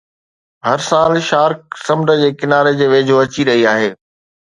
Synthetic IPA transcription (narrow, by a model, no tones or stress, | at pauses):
ɦɐɾsaːlʃaːɾk̚sɐ̃mɖə̆d͡ʑeːkɪnaːɾed͡ʑeːʋeːd͡ʑʱoɐt͡ɕiɾɐɦiaːɦeː